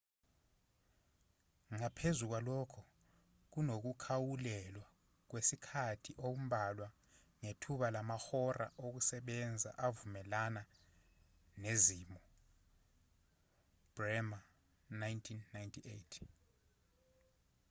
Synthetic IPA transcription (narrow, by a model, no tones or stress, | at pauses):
ŋapʰezuk̬walɔkʰɔ | k̬unok̬ukʰawulɛlwa | k̬wesikʰatʰiʔok̬um̩ɓalwa | ŋetʰuɓalamaxɔra̰ʔok̬usɛɓɛnd͡zʱa̰ʔavumɛlana | nezimɔ | b̥rɛma | najntʰinːajntʰiʔḛtʰ